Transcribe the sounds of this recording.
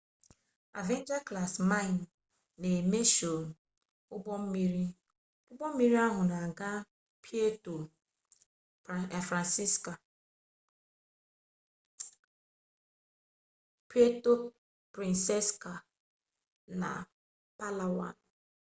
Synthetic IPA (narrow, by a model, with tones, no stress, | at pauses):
a̰˨ve˦n˦d͡ʒa˦kla˨sma˦ɪ˨n˨ | ne˨me˦ʃo˨n˨ | ʊ˦bɔ˦m̩˦mi˦ɾi˦ | ʊ˦bɔ˦m̩˦mi˦ɾi˦a˦ɦʊ˨na˨ɡa˦ | pi˦e˦to˨ | fɾa˨nsi˦ska˨ | pi˦e˦to˦ | pɾi˨nse˦ska˨ | na̰˨ | pa˦la˨wa̰˨n˨